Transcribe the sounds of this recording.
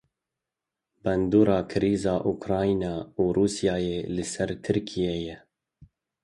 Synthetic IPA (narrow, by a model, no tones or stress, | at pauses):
bɛnd̪uːɾɑːkʰɪɾiːzɑːʔukɾɑːinɑːuːɾuːsijɑːjeːlɨsɛɾt̪ʰɨɾkʰijeːjɛ